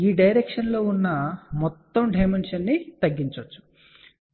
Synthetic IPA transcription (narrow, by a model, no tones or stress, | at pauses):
iːɖɐjɾekʂɐnlo̞ːunːɐmɔt̪ːɐmɖɐjmenʂɐnːit̪ɐɡːiɲt͡ʃot͡ʃːu̥